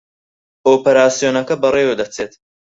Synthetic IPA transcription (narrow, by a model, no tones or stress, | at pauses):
oːpɐɾaːsijoːnɐkɐbɐreːwed̪ɐt͡sʰeːt̪